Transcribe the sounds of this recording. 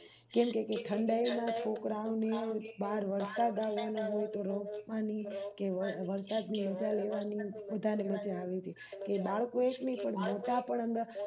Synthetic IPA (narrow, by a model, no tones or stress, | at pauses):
kɛmkekeʈʰəɳɖainat͡ʃʰokɾaʋnebaɾʋəɾsad̪aʋːanõɦojt̪oɾopʋanikeəʋəɾsad̪niəd͡ʒaleʋanibəd̪ʱaneʋətːʃeaʋet͡ʃʰe | kebaɭkoeknəipəɽmot̪apəɳ̃ə̃nd̪a